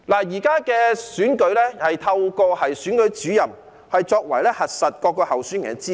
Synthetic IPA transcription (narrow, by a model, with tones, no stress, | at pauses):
laː˨˩jiː˨˩kaː˥kɛː˧syː˨˥nkɵ˨˥ɥlɛː˥hɐ˨jt̪ʰɐ˧wkɔː˧hɐ˨jsyː˨˥nkɵ˨˥ɥt͡syː˨˥jɐ˨m | hɐ˨jt͡sɔː˧k̚wɐ˨˩jlɛː˥hɐ˨t̚sɐ˨t̚kɔː˧kːɔː˧hɐ˨wsy˨˥nŋɛ̰˨˥t͡siː˥